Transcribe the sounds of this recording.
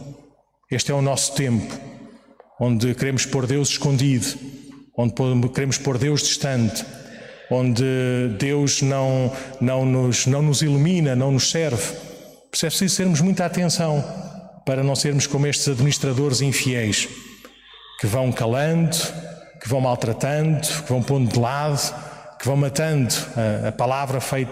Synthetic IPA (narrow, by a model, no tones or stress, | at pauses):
eʃt̪ɛunɔsu̥t̪ẽmpu̥ | õnd̪ɨkɨɾemuʃpoɾðewzʃkõnd̪iðuõnd̪pokɨɾemuʃpoɾðewʒd̪iʃt̪ɐ̃nt̪ | õnd̪ɨd̪ewʒnɐ̃w̃nɐ̃w̃nuʒnɐ̃w̃nuzilˠuminɐnɐ̃w̃nuʃsɛɾv | pɾsɛpɾsizuseɾmuʒmũj̃t̪at̪ẽsɐ̃w̃pɐɾɐnɐ̃w̃seɾmuʃkomeʃt̪z̥ɐðminiʃt̪ɾɐðoɾzĩfiɛjʃ | kɨvɐ̃w̃kɐlˠɐ̃nd̪u | kɨvɐ̃w̃malˠt̪ɾɐt̪ɐ̃nd̪ukɨvɐ̃w̃põnd̪d̪ɨlˠaðukɨvɐ̃w̃mɐt̪ɐ̃nd̪uɐɐpɐlˠavɾɐfɐjt̪